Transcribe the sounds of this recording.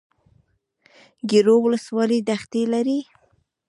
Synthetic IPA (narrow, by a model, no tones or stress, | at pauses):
ɡiɾowʊləswɑlid̪axt̪elaɾi